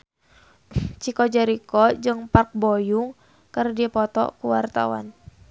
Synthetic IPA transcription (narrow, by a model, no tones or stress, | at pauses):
t͡ʃikɔd͡ʒaɾikɔd͡ʒɨŋpark̚bojuŋ | kərdiapɔt̪ɔ̰kuwart̪a̰wa̰n